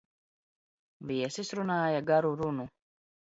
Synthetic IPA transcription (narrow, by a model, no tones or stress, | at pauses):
viɛsisɾunaːjaɡaɾuɾunu